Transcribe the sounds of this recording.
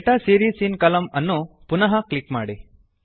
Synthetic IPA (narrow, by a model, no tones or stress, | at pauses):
ʈasiːɾisiːnkɐlɐmɐnːupunɐɦɐklikmaːɽi